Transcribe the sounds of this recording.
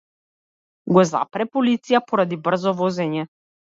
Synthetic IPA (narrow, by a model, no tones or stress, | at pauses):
ɡɔza̰pɾɛpɔlit̪sijapɔɾad̪ibr̩zɔvɔzɛɲɛ